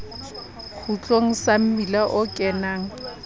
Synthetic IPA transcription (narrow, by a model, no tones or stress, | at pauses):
k͡xʰut͡ɬʼoŋ̩sam̩milaʔʊkʼɛnaːŋ̩